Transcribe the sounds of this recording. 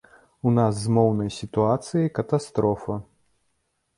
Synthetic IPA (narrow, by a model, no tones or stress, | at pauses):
unas̬ːmɔwnɐjsʲit̪uat̪sɨjɐjkɐt̪ast̪ɾɔfɐ